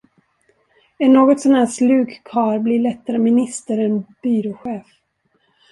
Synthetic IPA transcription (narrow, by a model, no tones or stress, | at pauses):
ɛnːoːɡɔt̪sɔnhæːʂlʉ̟ːɡkʰɑːɾblɪɭɛt̪ːaɾəmɪnɪst̪əɾɛnb̥yːɾɔɧeːf